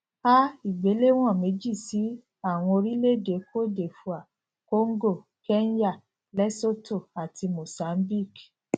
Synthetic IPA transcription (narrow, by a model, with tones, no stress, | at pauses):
a˦i˨ɡ͡be˨˦le˦w̃ɔ̃˦˨mẽ˨˦d͡ʒi˦˨si˨˦ | a˦˨w̃ɔ̃˧o˧ɾi˦le˦de˨˦ko˦de˨fu˨a˨ | ko˦ŋ˦ɡo˦˨ | kɛ˦nja˦˨ | lɛ˦so˦to˦˨a˨ti˧mo˨sa˨˦m˦bi˦˨k